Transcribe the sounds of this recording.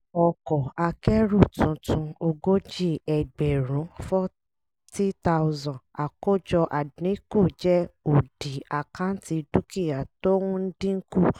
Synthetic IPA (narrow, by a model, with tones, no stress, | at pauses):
ɔ˨kɔ˨a˧kɛ˦ɾu˦˨tũ˨˧˦tũ˧o˧ɡo˦d͡ʒi˦˨ɛ˨ɡ͡bɛ˨ɾũ˨˦fɔ˦ | ti˦ta˧wzã˨a˨ko˦d͡ʒɔ˧ʔa˨dnĩ˨˦ku˦˨d͡ʒɛ˦o˨d̥i˨a˨kã˦n̩˦ti˧du˦ki˦˨ja˨to˦wũ˦n̩˦dĩ˦ŋ̩˦ku˦˨